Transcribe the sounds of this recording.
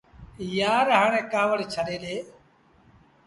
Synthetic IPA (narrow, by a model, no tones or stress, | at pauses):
jaːɾɦaːɳẽːkaːʋəɽt͡ʃʰəɗeːɗeː